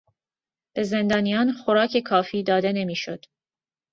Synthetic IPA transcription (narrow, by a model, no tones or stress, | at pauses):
b̥e̞ze̞nd̪ɒːnijɒːnxoɾɒːcʰe̞kʰɒːfiːd̪ɒːd̪e̞ne̞miːʃod̪̥